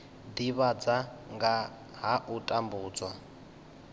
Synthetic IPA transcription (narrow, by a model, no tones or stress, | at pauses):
diβad͡zaŋɡa | ɦaʔutʼambuːd͡zwa